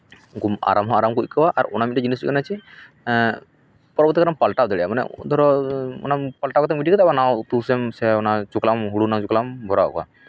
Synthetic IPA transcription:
kuma̰ɾamɦɔ̃aɾamkukɔwaʔaɾɔnamiad͡ʒiniskɔnat͡ʃʰi | pɔɾɔbɔɾt̪ikaɾampalʈawd̪ɛɽɛjamanɛ̰d̪ʱɔɾɔɔ̰napəlʈakɔt̪ɛmbiʈikɔt̪abanawt̪usɛmsɛɔnat͡ʃuklamɦuɽunawt͡ʃuklambʱɔɾa̰kɔa̰

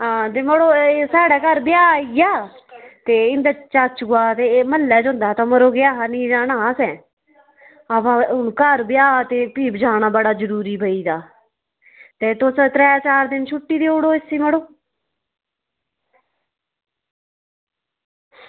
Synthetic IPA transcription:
ɦãːt̪eːməɽoːsaːɽɛːkəɾbɪjaːijaː | t̪eːɪnd̪aːt͡ʃaːt͡ʃɡaːt̪eːməlːɛːd͡ʒõːnd̪aːt̪ãːməɾoːɡjaːɦanĩːd͡ʒaːnaːsɛ̃ː | əpãʊnkəɾbɪjaːt̪eːpiːbd͡ʒaːɽnaːbəɽaːd͡ʒəɾuːɾiːbʱəiːd̪aː | t̪eːt̪ʊst̪ɾɛːt͡ʃaːɾd̪ɪnt͡ʃʰʊʈːiːd̪eːoːɽoːɪsiːməɽoː

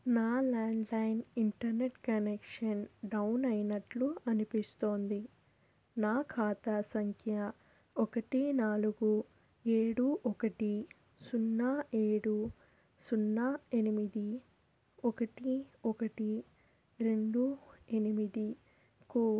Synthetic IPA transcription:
naːlaːɳɖlɐjniɳʈɐɾneʈkɐnekʂɐnɖɐwnɐjnɐʈluɐnipist̪o̞ːnd̪i | naːkʰaːt̪aːsɐŋkʰjɐ | ɔkɐʈinaːluɡu | eːɽuʔɔkɐʈi | sunːaːeːɽu | sunːaːe̞nimid̪i | ɔkɐʈiɔkɐʈi | ɾe̞ɳɖuenimid̪i | ku

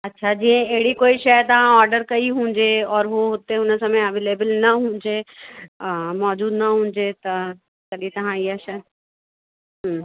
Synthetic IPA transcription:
ɐtːʃʰad͡ʑiːə̃eɦɪɽikoːiʃɐt̪ɐʋ̤ãɔːɾɖəɾkɐiɦũːɲd͡ʑeɔːɾɦoɦʊt̪eʊnə̆sɐ̃mẽɐʋeːleːbəlnɐɦũːɲd͡ʑe | mɔːd͡ʑuːd̪nɐɦũːɲ̆d͡ʑet̪ɐ | kɐɗĩt̪ɐʋ̤ãiaʃɐ | ɦ

